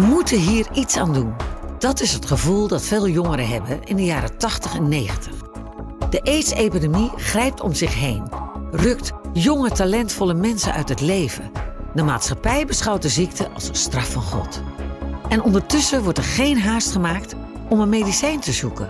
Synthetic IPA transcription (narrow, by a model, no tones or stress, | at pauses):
ʋəmutəɦiːɹitsaːndund̥ɑtɪsɦətχəvulˠdɑtfeːlˠjɔŋəɾəɦɛbəʔɪndəjaːɾətɑχtəχɛnːejχəntə̥χ | d̥əʔejtsejpidemiχrɛjp̚tɔ̰mzɪχɦejnrɵk̚tjɔŋətalɛntfɔlˠəmɛnsə̰nœ̰ɥtɦətlejvədəma̰ːtsχɑpɛjbəsχɑwt̚dəzik̚təʔɑ̰lˠzəstrɑfɑnχɔ̰t | ʔɛnɔndəɹtʏsəʋɔɹtɛɹχejnɦaːstχəmaːk̚t | ɔmənmejdisɛjntəzukə̰n